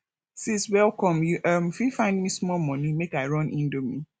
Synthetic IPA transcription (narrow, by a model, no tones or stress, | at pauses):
siswɛlˠkɔ̃mjuʔʌmfifãɪ̃ndmismɔlmɔ̃nĩmekaɪɹɔ̃nʔĩndomi